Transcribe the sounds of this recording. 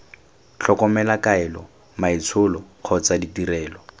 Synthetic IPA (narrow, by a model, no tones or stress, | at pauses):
t͡ɬʰɔkɔmɛlakaɛlɔ | mait͡sʰʊlɔq͡χʰɔt͡saditiɾɛːlɔ